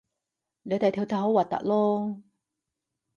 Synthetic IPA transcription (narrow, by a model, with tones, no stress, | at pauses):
le˨˧t̪ɐ˨˧jt̪ʰi˧wt̪ʰa˨˧˩ɦo˨˥waː˨˩t̪ɐ̰˨k̚lɔː˥